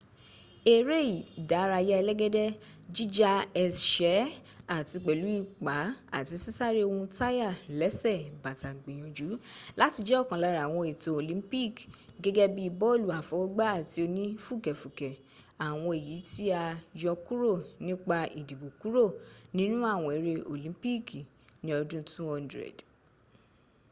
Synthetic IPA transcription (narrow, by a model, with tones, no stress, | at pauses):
e˦˨ɾe˦i˨da˨˦ɾa˧jɛ˦ɛ˧lɛ˦ɡɛ˦dɛ˦d͡ʒi˦d͡ʒa˦ɛ˧sʃɛ˨˦ | a˦˨ti˧k͡pɛ˨lu˨˦i˦˨k͡pa˨˦a̰˦˨ti˨˧si˦sa˦˨ɾi˦o˧hũ˧ta˦ja˦˨lɛ˨˦sɛ˦˨ba˨ta˨ɡ͡bĩ˨j̃ɔ̃˨d͡ʒu˨˦la˦ti˧d͡ʒɛ˦ɔ˦˨kã˨la˨˧ɾa˨w̃ɔ̃˧e˨to˨˧o˨lĩ˨˦pi˦˨kɡɛ˦ɡɛ˦bi˦i˧bɔ˦o˦˨lu˨a˨fɔ˨˧˦ɔ˦ɡ͡ba˦a˦˨ti˧o˧nĩ˦fu˦˨kɛ˨fu˨kɛ˨ | a˨w̃ɔ̃˧e˨ji˨˦ti˦a˧jɔ˧ku˦ɾo˦˨nĩ˦k͡pa˧ʔi˨di˨bo˨ku˦ɾo˦˨nĩ˦nũ˦a˦˨w̃ɔ̃˨˧e˨˧ɾe˧ʔo˨lĩ˨˦pi˦k | nĩ˦ɔ˧dũ˦tũ˦ɔ˧ndɾɛ̰˨d